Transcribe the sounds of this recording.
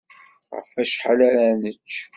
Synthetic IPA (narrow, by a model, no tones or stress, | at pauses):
ʁə̰fæʃħalæɾænət͡ʃː